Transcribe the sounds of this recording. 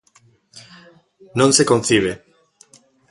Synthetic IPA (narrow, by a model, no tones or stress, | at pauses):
nõnsekon̟θiβ̞e